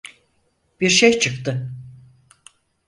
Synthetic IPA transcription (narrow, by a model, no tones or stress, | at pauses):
b̥iɾʃejt͡ʃʰɯkt̪ɯ